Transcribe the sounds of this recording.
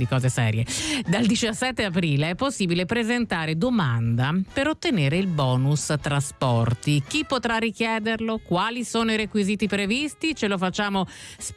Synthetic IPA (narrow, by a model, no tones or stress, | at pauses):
d̪ikɔːzesɛ̰ːɾjed̪ald̪it͡ʃasːɛt̪ːeapɾiːleɛpːosːiːbilepɾezent̪aːɾed̪omand̪apeɾot̪ːeneːɾeilbɔːnust̪ɾaspɔrt̪ik̟ipːot̪ɾarːik̟jɛːd̪erlokwaːlisoːnoiɾekwiziːt̪ipɾevist̪it͡ʃelofat͡ʃːaːmos